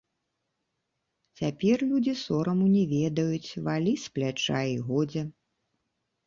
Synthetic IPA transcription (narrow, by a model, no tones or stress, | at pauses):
t͡sʲapʲɛrlʲud͡zʲisɔɾɐmunʲɛvʲɛd̪ɐjut͡sʲvalʲisplʲat͡ʂajiɣɔd͡zʲɛ